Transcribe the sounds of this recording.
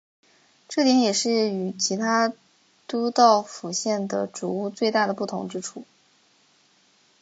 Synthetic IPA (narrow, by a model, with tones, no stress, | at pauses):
ʈ͡ʂɤ˥˩t̪jɛ˧˥njɛ˨˩ʂɻ̩˥˩y˨˩t͡ɕʰi˧˥t̪ʰa˥ | t̪u˥t̪ɑ˥˩ʊfu˨˩ɕjɛ˥˩nd̪ə̰˩ʈ͡ʂu˨˩u˥˧t͡swe˥˧ɪt̪a˥˩ɾə˩pu˥˩t̪ʰʊ̰˧˥ŋʈ͡ʂɻ̩˥ʈ͡ʂʰu˥˩